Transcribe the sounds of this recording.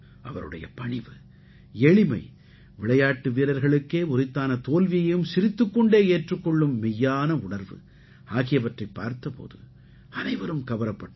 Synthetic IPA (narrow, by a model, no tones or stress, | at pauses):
ʔɐ̰ʋɐɾɯ̰ɽɐ̰jɐ̰pɐɳɪʋɯ | ɛɭɪmɐɪ | ʋɪɭɐjaːʈːɯʋiːɾɐɾɣɐɭɯkːeːʊɾɪt̪ːaːnɐt̪oːlʋɪjɐjɯmsɪɾɪt̪ːɯkːɔɳɖeːeːʈrɯkːɔɭːɯmːɪjːaːnɐʊɳɐɾʋɯ̰ | aːɣɪjɐʋɐʈrɐɪpːa̰ːɾt̪ɐpo̰ːðɯ̰ | ɐnɐɪʋɐɾɯmkɐʋɐɾɐpːɐʈː